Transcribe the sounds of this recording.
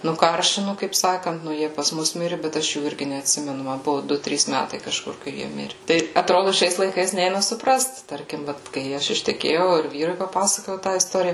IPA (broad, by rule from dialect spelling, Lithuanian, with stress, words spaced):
nʊˈkɐrʲʃʲɪnʊ kɐɪp ˈsɑːkɐnt nʊ ˈjiɛ pɐs ˈmʊs ˈmʲɪrʲɪ bʲɛt ˈɐʃ juː ˈɪrʲɡʲɪ nʲɛɐtʲˈsʲɪmʲɛnʊ ˈmɐ ˈbʊʋʊ ˈdʊ ˈtʲrʲiːs ˈmʲætɐɪ kɐˈʃkʊr kɐɪ ˈjiɛ ˈmʲɪrʲɪ ˈtɐɪ ɐtˈroːdʊ ˈʃʲɛɪs lˠɐɪˈkɐɪs ˈnʲɛɪnɐ sʊˈprɐst ˈtɐrʲkʲɪm ˈʋɐt kɐɪ ˈɐʃ ɪʃʲtʲɛˈkʲeːjɛʊ ɪr ˈʋʲiːrʊɪ pɐˈpɑːsɐkoːjɛʊ tɑː ɪsˈtoːrʲɪjɛ